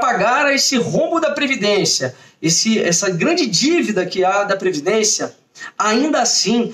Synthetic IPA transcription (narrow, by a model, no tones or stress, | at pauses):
paɡaɾɐesɪhõbʊd̪ɐpɾevid̪ẽsjɐesɪɛsɐɡɾɐ̃d͡ʒɪd͡ʒivid̪ɐkɪad̪ɐpɾevid̪ẽsjɐ | aĩnd̪ɐasĩ